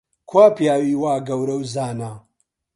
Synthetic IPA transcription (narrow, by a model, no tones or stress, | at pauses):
kʰwaːpijaːwiːwaːɡɐwɾɐwzaːna